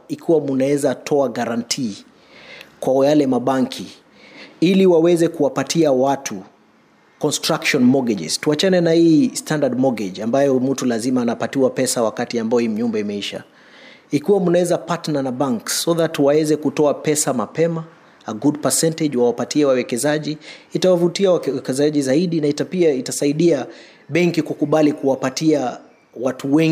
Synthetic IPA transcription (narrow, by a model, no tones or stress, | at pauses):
ikʰiwamunaɛzatʰɔaɡaɾantʰiː | kwajalɛmaɓaŋkʰi | iliwawɛzɛkuwapatʰiawatʰu | kɔnstɾakʃɔnmɔɡɛd͡ʒɛ̰z̥tuat͡ʃanɛnahiːstʰandad̚mɔɡɛd͡ʒambajɔm̩tulazimaːnapatiwapɛsawakatiambaɔhiːm̩ɲumbɛimɛiʃa̰ | ikiwamunawɛzapatnanabaŋksːɔðatwawɛzɛkutɔapɛsamapɛmaː | ɡudpasɛntɛd͡ʒwawapatiɛwawɛkɛzaʄiːtawavutiawɛkɛzaʄizaiɗinaitapiaitasaiɗia | ɓɛŋkikukuɓalikuwapatia | watuwɛŋ